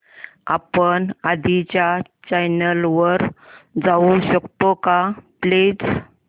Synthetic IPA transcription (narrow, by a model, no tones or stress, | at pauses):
a̰pəɳad̪ʱit͡ɕjat͡ɕajnəlʋəɾd͡zauɕəkt̪okapled͡z